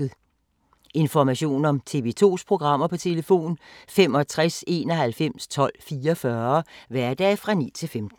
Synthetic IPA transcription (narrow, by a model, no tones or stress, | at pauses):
ð̩ˠ | e̝nfɒmæɕo̝̰ːnɒ̽mt͡sʰe̝̰ʋe̝t͡sʰo̝̰ːspʰʁo̝ɡ̥ʁɑ̈m̰ɐpʰɒ̽t͡sʰe̝ləfo̝̰ːnfem̰ɒ̽t͡sʰʁase̝ːnɒ̽ɦælfem̰st͡sʰɒ̽l̰fiːɒfɶɐʋæɐd̥ɛ̰ːfʁɑ̈nḭt͡sʰe̝lfemd̥n̩